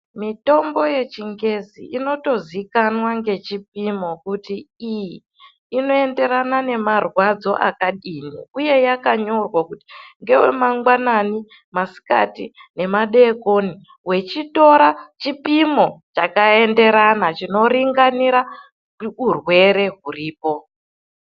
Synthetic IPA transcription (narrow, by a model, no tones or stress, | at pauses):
mito̞mbo̞je̞t͡ʃiŋɡe̞zḭʔino̞to̞zikanwaŋɡe̞t͡ʃipimo̞kutiiji | ino̞e̞nde̞ɾanane̞marwad͡zo̞ʔa̰kaɗinḭuje̞jakaɲo̞rwakuti̥ŋɡe̞wḛmaŋɡwanani | masi̥ka̰tine̞maɗe̞koni | we̞t͡ʃito̞ɾat͡ʃipimo̞t͡ʃakae̞nde̞ɾanat͡ʃino̞ɾiŋɡaniɾa | urwe̞ɾe̞ɦuriːpo̞